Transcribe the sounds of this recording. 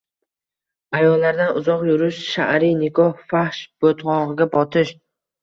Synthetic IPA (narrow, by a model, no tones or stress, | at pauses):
ajɒlːaɾd̪anʊzɒqjʊɾɪʃʃa̰ɾijnɪkʰɒhfahʃb̥ot̪ʰʁɒʁɨɡʲabɒt̪ʰɪʃ